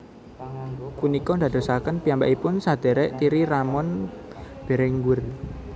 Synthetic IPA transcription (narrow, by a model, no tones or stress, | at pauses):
punikɔnd̪a̤d̪̥o̤sakənpiambaʔipʊnsad̪̥ɛ̤ɾɛʔt̪iɾiɾamɔn | b̥e̤ɾɛŋɡʊr